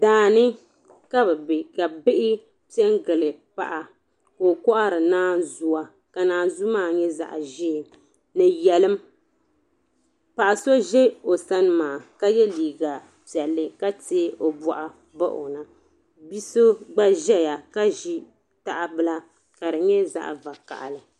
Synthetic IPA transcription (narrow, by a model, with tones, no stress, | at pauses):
daː˨nɨ˦ | ka˦bɛ˨bɪ˨ka˨bɪ˦ʔɪ˦ | pi˦ɛ˦ŋɡɨ˨lɨ˨pa̰˦˨ʔa˨ | ko˨kɔ˦ʔa˦ɾɨ˨naː˦zu˦a˨ | ka˨naː˨˦nzu˦maː˦˨ɲɛ˦za̰˨ʔʒi˦˨ | nɨ˨jɛ˨lɨ˦m | pa˨ʔa˨so˦ʒɛ˦o˨sa˦n˦maː˨ka˦jɛ˦liː˨ɡa˨ | pi˨ɛ˨lːɨ˦ka˦te˦ʔo˨bɔ˨ʔa˨ | ba̰˦ʔo̰˨na˨ | bi˦so˦ɡ͡ba˦ʒɛ˦ja˨ka˦ʒi˦ | ta˨ʔa˨bɨ˦la˦ | ka˨ɾɨ˨ɲɛ˦za̰˦ʔva˨ka̰˨ʔa̰˨lɨ˨